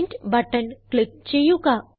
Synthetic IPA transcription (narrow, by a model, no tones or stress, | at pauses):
nʈbəʈənklɪk̚t͡ɕejuka